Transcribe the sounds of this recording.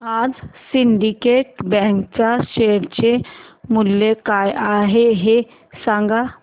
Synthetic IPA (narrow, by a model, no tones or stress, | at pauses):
ad͡zsiɳɖikeʈ̚bɛ̃ŋkt͡ɕaɕeɽt͡ɕemulːekajaɦeɦe | sãŋɡa